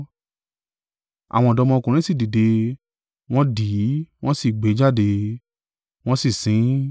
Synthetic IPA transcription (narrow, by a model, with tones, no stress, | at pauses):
a̰˨w̃ɔ̃˧˨dɔ˧mɔ̃˧kũ˨ɾ̃ĩ˦si˦˨di˨de˧ | w̃ɔ̃˦di˨˦w̃ɔ̃˦si˦˨ɡ͡be˨˦d͡ʒa˦˨de˧ | w̃ɔ̃˦si˦˨sĩ˨˦